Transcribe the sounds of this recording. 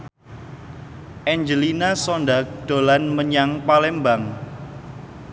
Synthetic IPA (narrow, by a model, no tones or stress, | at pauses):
ʔɛɲd͡ʒəlinasɔnɖak̚d̪̥o̤lanməɲaŋpalɛmbaŋ